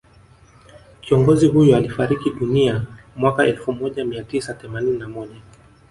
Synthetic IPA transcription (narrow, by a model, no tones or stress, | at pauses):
kiɔŋɡɔziɦujɔalifaɾikiɗuniamwakaʔɛlfumɔʄamiatisaθɛmanininamɔʄa